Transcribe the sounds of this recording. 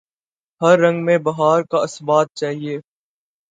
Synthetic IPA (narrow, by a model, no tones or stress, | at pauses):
hɐɾːɐ̃ŋɡmẽbɐɦaːɾkaɐsbaːt̪̚t͡ʃaːɦieː